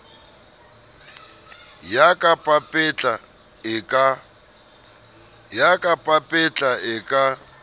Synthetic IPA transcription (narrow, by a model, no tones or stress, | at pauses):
jakʼapʼapʼɛt͡ɬʼa | ka | jakʼapʼapʼɛt͡ɬʼaɪkʼa